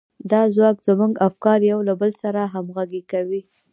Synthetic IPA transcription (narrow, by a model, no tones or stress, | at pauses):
d̪ɑzwɑkz̥əmuɡafkɑɾjawlabəlsaɾaɦamɣaɡekawi